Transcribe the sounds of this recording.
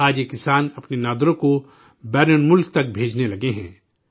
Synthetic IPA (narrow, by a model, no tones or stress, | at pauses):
aːd͡ʒjekɪsaːnɐpnenaːd̪ɾõko | bɛːɾənmʊlk̚t̪ɐk̚bʱeːd͡ʒnelɐɡeɦɛ̰̃ː